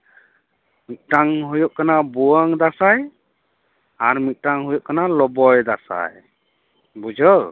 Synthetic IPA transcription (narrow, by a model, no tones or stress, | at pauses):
mit̪̚ˀtaŋɦɔjɔʔ̚kanabuaŋd̪asaj | aɾmit̪̚ˀtaŋɦɔjɔʔ̚kanalɔbɔjd̪asa̰j | bud͡ʒɔ